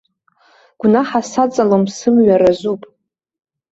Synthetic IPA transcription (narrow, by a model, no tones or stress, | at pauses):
ɡ̥ʷnaħasat͡sʼalomsɨmɥaɾazʷupʼ